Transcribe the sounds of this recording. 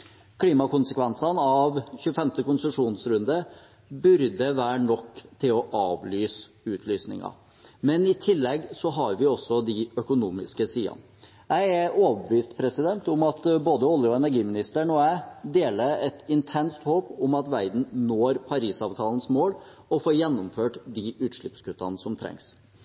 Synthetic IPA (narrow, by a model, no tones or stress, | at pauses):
kʰliːmɑkʊnsəkʰʋɛnsɑnɑʋçʉːəfɛmt̪əkʊnsəʂuːnsɾʉnd̪ə | bʉɾd̪əʋæːɳɔkːt̪ʰɪlɔʔɑːʋlyːs | ʉːt̪ʰlyːsnɪ̰ŋɑ̰ | mɛnɪt̪ʰɪlːɛɡsɔɦɑɾʋɪɔsːɔd̪ɪœkʊnuːmɪ̰skəsiːɑ̰n | jæɪæɾoːʋəbəʋiːst̪pʰɾɛsɪd̪ɛnt̪ʊmɑt̪boːd̪əɔlːjəɔɛnæɾɡiːmɪnɪst̪əɳɔæɪd̪eːləɾɛt̪ɪnt̪ʰɛnst̪hoːpʊmɑt̪ʋæɪd̪n̩noːɾpʰɑɾiːsɑːʋt̪ʰɑːln̩smoːl | ɔfoːɾjɛnːʊmføːʈd̪ɪʔʉːt̪ʂɭɪpskʉt̪ːɑ̰nsɔmt̪ʰɾɛ̰ŋs